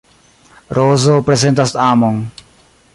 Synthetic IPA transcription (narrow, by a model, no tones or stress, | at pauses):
ɾoːzopɾesẽnt̪əst̪aːmõŋ